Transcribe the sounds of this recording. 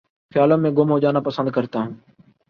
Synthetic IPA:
xɪjaːlõːmẽːɡʊmɦoːd͡ʒaːnaːpəsə̃nd̪̚kəɾt̪aːɦũː

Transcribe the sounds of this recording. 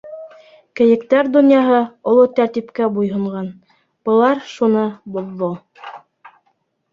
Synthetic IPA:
kɘ̆jɘ̆kt̪æɾd̪unjɑɦɤŏlˠot̪æɾt̪ipkæbujɦŏɴɢɑn | b̥ɤ̆lˠɑɾʃunɤboðːo

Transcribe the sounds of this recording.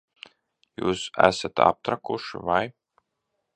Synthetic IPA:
jṵːsæ̰sat̪a̰p̚t̪ɾakuʃḭvaj

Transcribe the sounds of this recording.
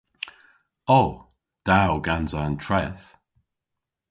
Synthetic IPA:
o | d̥awɡanzaəntʰɹɛθ

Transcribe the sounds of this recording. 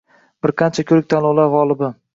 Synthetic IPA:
b̥ɪɾqʰɑnt͡ʃʰakʲʰɵɾɪk̚ʲt̪ʰanlɒlaɾʁɒlˠɪbɪ

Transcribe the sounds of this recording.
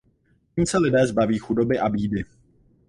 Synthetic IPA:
ciːmsɛlɪdɛːzbaviːxudo̞bɪʔabiːdɪ

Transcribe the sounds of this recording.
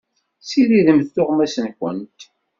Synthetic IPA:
siɾiðəmθːʊʁmæsənkʷə̰nt̪

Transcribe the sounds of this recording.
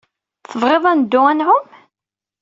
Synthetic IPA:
θəvʁeðˤænd̪ːʊʁænʕʊm

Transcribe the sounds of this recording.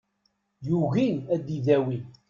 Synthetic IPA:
juʝinæd̪iðæwin

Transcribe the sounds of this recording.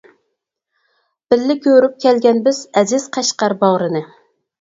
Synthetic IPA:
b̥ɪlːɪkʲʰøɾyp̚kʲɛlɡʲɛnbɪz̥ɛzɪz̥qʰɑʃqɑɾbɑʁɾɨnɨ

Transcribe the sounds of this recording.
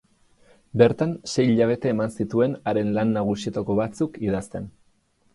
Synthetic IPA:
be̞ɾt̪anse̞jʎaβ̞e̞t̪e̞ːmansit̪ue̞naɾe̞nlanːaɣ̞usiet̪ako̞βat͡sukið̞ast̪e̞n

